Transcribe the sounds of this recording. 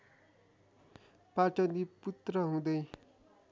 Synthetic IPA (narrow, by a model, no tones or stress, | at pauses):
paʈ͡ʂʌnd̪iput̪rʌɦũd̪ʌj